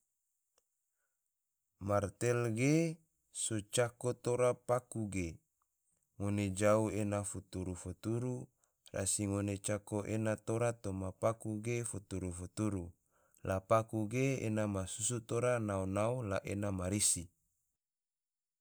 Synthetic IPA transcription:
mart̪elɡe | sot͡ʃakot̪oɾapakuɡe | ŋoned͡ʒauenafut̪uɾufot̪uɾu | ra̰siŋonet͡ʃakoʔenat̪oɾat̪omapakuɡefut̪uɾufut̪uɾu | lapakuɡeḛnamasusut̪oɾanaonaulaʔenamaɾisi

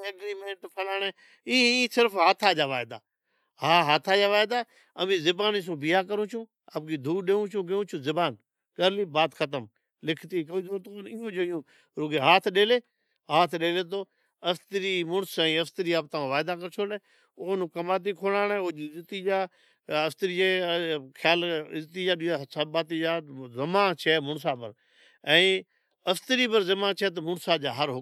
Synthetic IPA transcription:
ɐɡɾiːmẽːɳʈpʰəlaːneː | iːsɪɾfɦaːt̪ʰaːd͡ʒaːʋaːɪd̪a̰ː | ɦaːɦaːt̪ʰaːd͡ʒaːʋaːɪd̪aː | ə̰mĩːzɪbaːnis̬ũːbɪjaːkəɾũːt͡ʃʰũː | a̰p̚ɡiːd̪ʱuːɗeːũt͡ʃʰũːɡeũːt͡ʃʰũːzɪbaːn | kəɾliːbaːt̪xət̪̬əm | lɪkʰt̪ikəiːd̪oːt̪onɪjõːd͡ʒəɪjõː | ɾoːɡeːɦaːt̪ʰɗeːleː | ɦaːt̪ʰɗeːleːt̪̬oː | ɐft̪əɾiːmʊɳsɛ̃ːɐft̪əɾiaːb̚t̪ɐʋãʋaːɪd̪akɐɾt͡ʃʰoːlɛː | ʊnũkɐmaːt̪̬ikʰoːɽaːnɛːod͡ʒiɪzt̪iːd͡ʒaː | ɐft̪əɾiːd͡ʒeːkʰjaːlɪzt̪id͡ʒaːɗiasɐbaːt̪̬id͡ʒaːzɐmãːt͡ʃʰɛːmʊɳs̬aːpəɾ | ɛ̃ː | ɐft̪əɾiːpəɾzɐmãːt͡ʃʰɛːt̪̬ɐmʊɳsad͡ʒaːɦəɾɦʊ

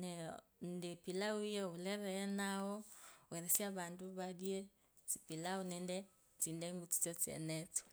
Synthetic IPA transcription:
nɛ | ndepilauijɔulɛɾɛːnaɔwɛɾɛsjaβandoβadje | t͡si̥pilaonɛndɛ | t͡sindɛŋɡut͡si̥t͡sɔt͡siɛ̰nɛt͡su̥

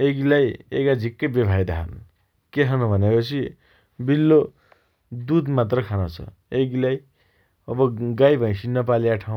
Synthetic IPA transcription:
eɡilajḛɡad͡zʱikːʌbebʱajd̪aɦʌ̰n | keɦʌnbʱʌnepʌt͡sʰi | bilːo | d̪ud̪mat̪̬rʌkʰanot͡sʰʌ̰ | eɡilaj | ʌbʌɡajbʱʌ̃j̃sinʌpaliaʈʰaw̃

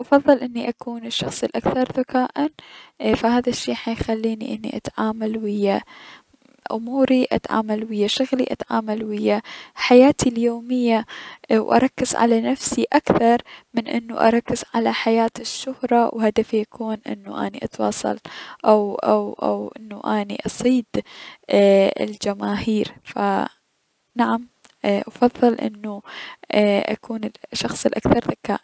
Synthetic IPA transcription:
ʔɑfɑðˤːɨlʔɪnːiʔakuːnɪʃːɑxsˤilʔakθɑɾˤðakaːʔanfahaːðaʃːiːħajxalːiːnḭʔɪnːḭʔat̪ʕaːmalwɪjːa | ʔʊmuːɾiʔa̰t̪ʕa̰ːmalwɪjːaʃʊɣlḭʔat̪ʕaːmalwɪjːaħajaːt̪ʰiljoːmɪjːawʔɑ̰ɾˤɑkːɪz̥ʕa̰lanafsiʔakθɑɾˤmɪnʔɪ̰nːuʔɑ̰ɾˤɑkːɪz̥ʕalaħajaːt̪ɪʃːʊhɾˤɑwhad̪afiʔakʰuːnʔɪ̰nːṵʔa̰niʔɑt̪wɑːsˤɑ̰lʔawʔawʔa̰wʔɪ̰nːuʔaːniʔɑsˤiːd̪ | ɪ̰ld͡ʒamaːhiːɾfa | naʕam | ʔɑfɑðˤːɨlʔɪ̰nːu | ʔa̰kuːnɪʃːɑxsˤɨlʔakθɑɾˤðaka̰ːʔ

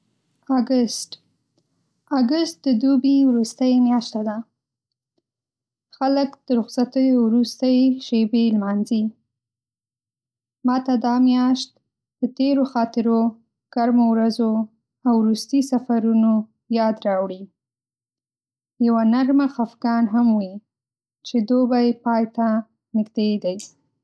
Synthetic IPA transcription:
aɡəst | aɡʊst̪̚d̪əd̪ubiwɾust̪əjmjɑʃt̪ad̪a | xaləkd̪̥əɾʊɣsat̪əjowɾust̪əjʃebelmɑnzi | mɑt̪ad̪ɑmjɑʃt̪̚ | d̪̥ət̪eɾoxɑt̪ɪɾo | ɡ̥aɾmowɾazo | awɾust̪isafaɾuno | jɑd̪ɾɑwɽi | jawanaɾmaxafɡɑnɦamwi | t͡ʃed̪obajpɑjt̪a | nɪɡd̪ed̪aj

